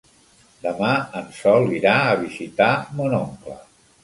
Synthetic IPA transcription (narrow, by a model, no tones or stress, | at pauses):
d̪əmaənsɔlˠiɾaəβ̞izit̪amonɔmklə̰